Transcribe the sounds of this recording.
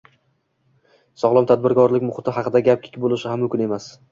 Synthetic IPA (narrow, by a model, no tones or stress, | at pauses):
sɒʁlˠɒmt̪ʰad̪̚bɪɾkɒɾlɪkʲmʊχɪt̪ʰɪɦɑqʰɨd̪aɡʲap̚kʲʰɪ̥kʲbolˠɪʃɪhamːʊmkʲʊne̞mas